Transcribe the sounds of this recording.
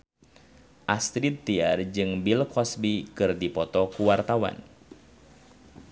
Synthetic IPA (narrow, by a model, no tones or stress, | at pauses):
ʔast̪ɾit̪ːiard͡ʒɨŋbilkɔsbikɨrdipɔt̪ɔkuwart̪awa̰n